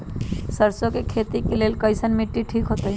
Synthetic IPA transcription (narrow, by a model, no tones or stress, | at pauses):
səɾsõkekʰeːt̪ikeleːlkəɪsənmẽʈːiʈʰiːkɦoːt̪aɦɛ